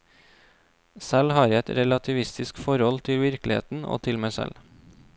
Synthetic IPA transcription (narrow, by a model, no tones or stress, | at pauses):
sælhɑːɾɛt̪ɾɛlɑt̪ʰɪʋɪst̪ɪskfɔɾɔlt̪ʰɪlʋɪɾklɪhḛːt̪n̩o̰ːt̪ʰɪlmæɪsɛ̰l